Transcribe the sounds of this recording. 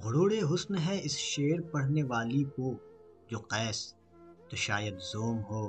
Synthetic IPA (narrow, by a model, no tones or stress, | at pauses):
ɣʊɽoːɽeɦʊsnɦɛɪsʃeːɾpɐɽ̤neʋaːliko | d͡ʒoːqɛːs | t̪oʃaːjəd̪zoːmɦoː